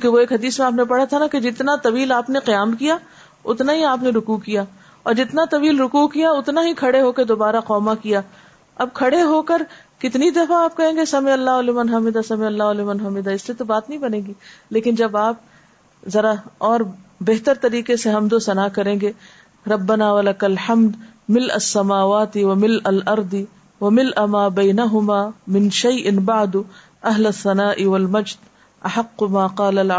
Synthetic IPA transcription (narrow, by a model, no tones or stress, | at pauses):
ũkeʋoeːkɦɐd̪iːsmẽaːp̬nepɐɽ̤at̪ʰanaked͡ʒɪt̪nat̪ɐʋiːlaːpneqijaːmkija | ʊt̪naɦiaːpneɾʊkuːkijaː | ɔːɾd͡ʒɪt̪nat̪ɐʋiːlɾʊkukijaʊt̪naɦikʰɐɽeɦoːked̪oːbaːɾaqɔːmakijaː | ɐb̚kʰɐɽeɦoːkɐɾ | kɪt̪nid̪ɐfaaːp̚kɐɾẽːŋɡesɐmeɐlːaːʊlɪmɐnɦaːmɪd̪asɐmeɐlːaːʊlɪmɐnɦaːmɪd̪aɪsliet̪obaːt̪nɐɦĩbɐnẽːɡiːleːkɪnd͡ʒɐbaːp̚ | zɐɾaɔːɾbeɦt̪əɾt̪ɐɾiːqeseɦɐmd̪osɐnaːkɐɾẽːŋɡe | ɾɐbːɐnaːwɐlɐkɐlħɐmd̪mɪlʔɐ̰sːɐmaːʋaːt̪ɪwɐmɪlɐlʔɐɾd̪ɪ | wɐmɪlʔamaːbɐːnɐɦʊmaːmɪ̃nʃɐjʔɪnbaʕd̪ʊ | ɐɦlɐθːɐnaːʔɪwɐlmɐd͡ʒd̪ | ʔɐħɐqːʊmaːqɑːlɐl